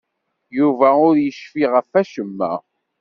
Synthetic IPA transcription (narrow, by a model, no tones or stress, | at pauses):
juvæʊɾjəʃfiʁəfæʃəmːæ̰